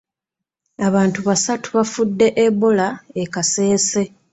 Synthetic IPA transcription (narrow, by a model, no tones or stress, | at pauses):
aβaːntuβasatu̥βafudːe̞ʔeβo̞laekase̞ːse̞